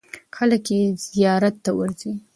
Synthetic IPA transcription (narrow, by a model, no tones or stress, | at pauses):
xələkez̥ijɑɾat̪ːawə̰ɾzi